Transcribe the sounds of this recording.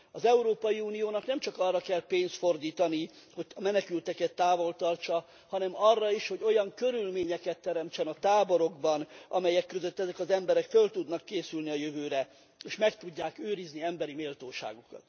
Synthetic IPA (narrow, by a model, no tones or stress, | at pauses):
ɒzɛuɾoːpɒjiuːnijoːnɒknɛmt͡ʃɒkɒrːɒkɛlpeːnst̪fo̞rd̪iːt̪ɒni | ho̞ɟɒmɛnɛkylt̪ɛkɛt̪ːaːvo̞lt̪ɒrt͡ʃɒ | hɒnɛmɒrːɒiʃho̞ɟo̞jɒŋkøɾylmeːɲɛkɛt̪ːɛɾɛmt͡ʃɛnɒt̪aːbo̞ɾo̞ɡbɒnɒ̰mɛjɛkːøzøt̪ːɛzɛkɒzɛmbɛɾɛkfølt̪ud̪nɒkːeːsylniɒjøvøːɾɛ | eːʃmɛkt̪uɟːaːkøːɾizniɛmbɛɾimeːlt̪oːʃa̰ːɡokɒ̰t̪